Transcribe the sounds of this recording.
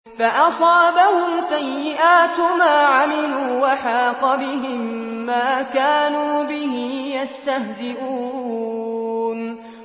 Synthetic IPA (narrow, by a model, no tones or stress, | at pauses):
faʔɑsˤɑːbahʊmsajːɪʔaːt̪maːʕamɪluːwaħɑːqɑbɪɦɪmːaːkaːnuːbɪɦijast̪ahzɪʔuː | n